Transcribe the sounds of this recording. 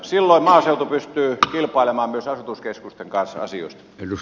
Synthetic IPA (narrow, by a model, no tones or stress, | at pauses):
silːoˑimmɑːseˑut̪upyst̪yːkilpˑɑˑilemɑːmmyøsɑsut̪uskeskust̪eŋkɑnsɑ̰sio̰ˑist̪ɑ̥elu